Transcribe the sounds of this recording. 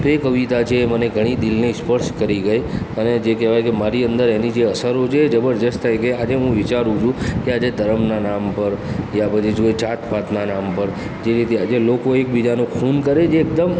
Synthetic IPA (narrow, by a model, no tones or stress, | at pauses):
bekəʋit̪at͡ʃʰeːməneɡʱəɽ̃id̪ɪlnespəɾʃkəɾiɡəj | əned͡ʒekɛʋajkemaɾiənd̪əɾenid͡ʒeəsəɾot͡ʃʰeːd͡ʒəbəɾd̪əst̪ʰajkead͡ʒeɦũʋɪt͡ʃaɾũt͡ʃʰũkead͡ʒed̪ʱəɾəmnanampəɾjapət͡ʃʰid͡ʒoet͡ʃat̪pat̪nanampəɾ | d͡ʒeɾit̪ead͡ʒelokoek̚bid͡ʒanũkʰunkəɾed͡ʒeːk̚d̪əm